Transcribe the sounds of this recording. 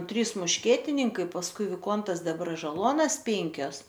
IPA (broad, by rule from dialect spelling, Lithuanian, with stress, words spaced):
ˈtʲrʲiːs mʊʃʲˈkʲiɛtʲɪnʲɪŋkɐɪ pɐsˈkʊɪ ʋʲɪˈkoːntɐs dʲɛbrɐʒɐˈlˠuɔnɐs ˈpʲɛŋʲkʲoːs